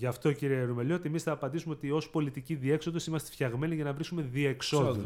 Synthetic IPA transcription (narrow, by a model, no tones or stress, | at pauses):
ʝɐft̪ociɾiɐɾumeliot̪iemisθɐːpɐnd̪isumeot̪io̞spo̞lit̪iciðie̞kso̞ðosimɐst̪efçɐɣme̞niʝɐnɐvɾisume̞ðie̞kso̞ðu